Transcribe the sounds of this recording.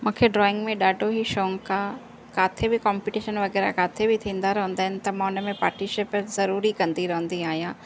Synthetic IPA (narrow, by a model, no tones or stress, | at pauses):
mũːkʰeɖɾɔːɪ̃ŋɡmẽɗaːɖʱoɦiʃoːŋka | kaːt̪ʰebɪkɔ̃ːmpɪʈiːʃənʋɐɣɛːɾa̰kaːt̪ʰebɪt̪ʰĩːnd̪aɾɐɦə̃nd̪aːɪnɪ̆t̪ɐmãːʊnə̆mẽpa̰ːɾʈniʃɪːpzɐɾuːɾikɐ̃nd̪iɾɐɦə̃nd̪iaːɦijãː